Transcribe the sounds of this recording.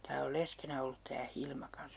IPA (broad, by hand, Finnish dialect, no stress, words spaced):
tæː ol leskenæ olːut tæː hilmɑ kɑns